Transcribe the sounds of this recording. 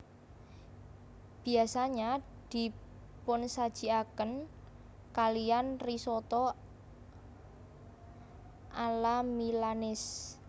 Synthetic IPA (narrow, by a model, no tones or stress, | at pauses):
b̥i̤asaɲad̪̥i̤ | pʊnsad̥ʒ̥i̤akən | kalijanrisɔt̪ɔ | ʔalamilanɪs